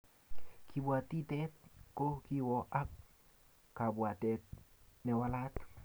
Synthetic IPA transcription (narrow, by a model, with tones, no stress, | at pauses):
kʰi˨bwa˨t̪i˦tɛ˦t̪̚ko˦ki˦wɔ˨ʔa˦kː | a˨bwa˨t̪ɛ˦t̚nɛ˨wa˧la˦t